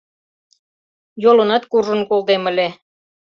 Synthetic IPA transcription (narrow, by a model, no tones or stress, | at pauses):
jolɤnɑt̪kurʒə̆nkold̪eməlʲe